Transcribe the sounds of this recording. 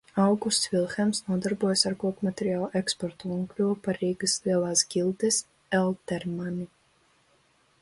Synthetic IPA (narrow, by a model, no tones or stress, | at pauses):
awɡust̪svʲilˠxʲɛmsnuɔd̪aɾbuɔjasaɾkuɔkmat̪ʲeɾʲiaːlˠʔɛkspɔɾt̪uuŋklʲuɔpaɾiːɡɐsliɛlˠaːsɡʲilʲˠt̪ɛs | ɛlˠt̪ɛɾmani